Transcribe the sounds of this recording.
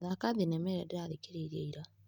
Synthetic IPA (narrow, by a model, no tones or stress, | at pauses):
ðakaðenɛmɛɾɛdeɾaðekeɾeiɾiɛiɾa